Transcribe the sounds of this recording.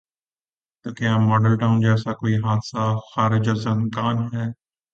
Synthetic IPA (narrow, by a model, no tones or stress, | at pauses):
t̪oːkjaːmɔːɖəlʈãːʊ̃nd͡ʒɛːsakoːiɦaːt̪saxaːɾɪd͡ʒɔzənkaːnɦɛː